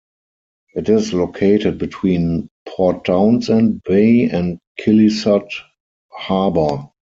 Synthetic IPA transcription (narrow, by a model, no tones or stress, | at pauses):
ʔɪtɪslokʰeɪtət̚bitʰwĩːnpʰɔt̚ãʊ̃nsɛ̃nbeɪɛ̃ntkʰɪlisat | habə˞